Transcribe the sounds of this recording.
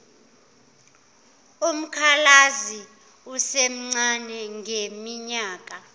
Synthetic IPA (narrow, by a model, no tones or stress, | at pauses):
um̩kʰalazi | usem̩ŋ͡ǀanɛŋʱemiɲaːk̬ʼa